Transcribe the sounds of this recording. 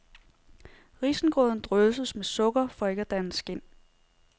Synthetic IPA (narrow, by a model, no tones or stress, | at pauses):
ʁisn̩ɡ̥ʁɔðˠn̩d̥ʁœsəsmesɔ̽ɡ̥ɐfɒ̽e̝ɡ̥æd̥ænəsɡ̥e̝n̰